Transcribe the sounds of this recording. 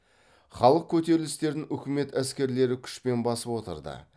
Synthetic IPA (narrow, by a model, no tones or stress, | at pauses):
χɑlˠəq̚kʲʰɵt̪e̞ɾɪlɪst̪e̞ɾd̪ɪŋʏkʲɪme̞t̪æskʲe̞ɾle̞ɾɪkʲʰʏ̥ʃpe̞nbɑsəpwo̞t̪ə̰ɾd̪ə̰